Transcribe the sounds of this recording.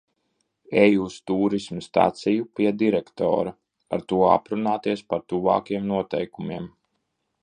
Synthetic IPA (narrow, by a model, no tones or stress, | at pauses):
ɛjust̪uːɾismst̪a̰t̪sijupʲiɛd̪iɾɛkt̪ɔ̰ːɾa | a̰ɾt̪uɔa̰pɾunaːt̪iɛspaɾt̪uva̰ːkiɛmnuɔt̪ɛjkumiɛm